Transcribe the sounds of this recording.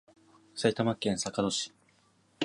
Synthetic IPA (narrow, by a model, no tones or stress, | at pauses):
sait̪amakːẽ̞ɰ̃sakad̪o̞ɕi̥